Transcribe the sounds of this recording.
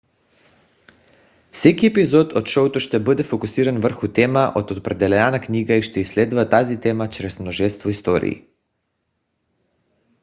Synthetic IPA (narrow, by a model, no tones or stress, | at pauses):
fsɛkiɛpizɔt̪ot̪ʃɔwt̪oʃt̪ɛbəd̪ɛfokusiɾanvər̩xut̪ɛmaʔot̪ot̪̚pɾɛd̪ɛlɛnanakniɡaiʃt̪ɛislɛd̪uvat̪azit̪ɛmat͡ʃɾɛsmnoʒɛst̪vɔist̪ɔɾḭḭ